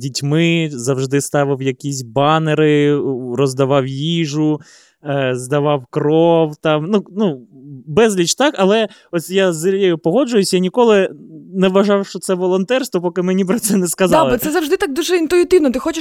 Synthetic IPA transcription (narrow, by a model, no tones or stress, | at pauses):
dʲitʲmɪzɐwʒd̪ɪst̪ɑʋɪwjɐkʲisʲbɑneɾɪrɔzd̪ɐʋɑwjiʒʊ | zd̪ɐʋɑwkrɔwt̪ɑmnunubɛzlʲit͡ʃt̪ɑkɐlˠɛ | ɔsʲjazɪjɛjʊpɔɦɔd͡ʒʊjʊsʲjanʲikɔlˠɪnɛʋɐʒɑwʃt͡ʃɔt̪sɛʋɔlˠɔnt̪ɛrst̪ʋɔpɔkɪmɪnʲipɾɐt̪sɛnɛskɐzlbˠɛt̪sɛzɐwʒd̪ɪt̪ak̚d̪uʒɛint̪ʊit̪ɪwnɔt̪ɪxɔt͡ʃɪ